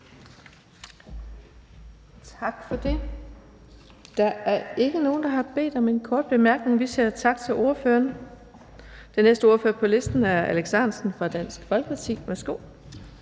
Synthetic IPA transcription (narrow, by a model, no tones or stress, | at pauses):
t͡sʰɑ̈ɡ̥fɒ̽d̥e̝ | d̥ɑ̈æɐe̝ɡ̥əno̝ːn̩d̥ɑ̈ɦɑ̈b̥e̝̰ːd̥ɒ̽me̝nkʰɒːd̥̚b̥e̝mæɐɡ̥ne̝ŋʋisiɐt͡sʰɑ̈ɡ̥̚t͡sʰe̝lo̝ɐføːɐn | d̥enesd̥əo̝ɐføːɐpʰɒ̽le̝sd̥n̩æɐæleɡ̥sænsn̩fʁɑ̈d̥æn̰sɡ̥fɒlɡ̥ə̥pʰɑ̈t͡sʰḭːmesɡ̥o̰ː